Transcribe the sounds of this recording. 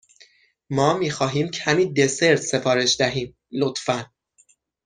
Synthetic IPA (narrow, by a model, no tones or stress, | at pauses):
mɒːmiːxɒːɦiːmcʰæmiːd̪e̞se̞ɾt̪ʰse̞fɒːɾe̞ʃd̪æɦiːm | lot̪fæn